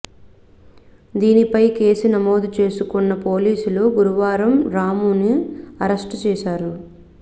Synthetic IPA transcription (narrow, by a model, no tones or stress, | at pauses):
d̪iːnipɐjke̞ːsinɐmoːd̪ut͡ʃe̞ːsukunːɐpo̞ːliːsuluɡuɾuʋaːɾɐmɾaːmuːniɐɾɐsʈt͡ʃɛːʃaːɾu